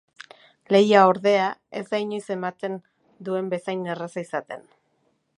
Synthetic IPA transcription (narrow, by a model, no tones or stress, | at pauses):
le̞jaoɾðe̞ae̞zɡajɲojse̞mat̪e̞n | d̪ue̞mbe̞sajnːerasaisat̪e̞̰n